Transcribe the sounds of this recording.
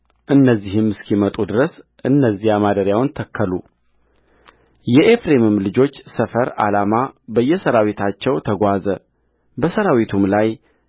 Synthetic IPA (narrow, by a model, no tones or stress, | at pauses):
ʔɨnːəzːihɨmɨskimət̪ʼud̪ɨɾəsʔɨnːəzːijamad̪əɾjawnt̪ʰəkʰːəlṵ | jɛʔefɾemɨmlɨd͡ʒo̞t͡ʃːsəfəɾa̰lamabəjːɛsəɾawit̪ʰat͡ʃːɛwt̪ʰəɡʷazə | bəsəɾawit̪ʰumlaj